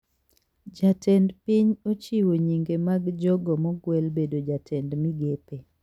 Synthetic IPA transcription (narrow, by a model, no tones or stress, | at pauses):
d͡ʒatɛndpiɲot͡ʃiwoɲiŋɡemaɡd͡ʒɔɡɔmɔɡwɛlbedod͡ʒatʰɛndmiɡepe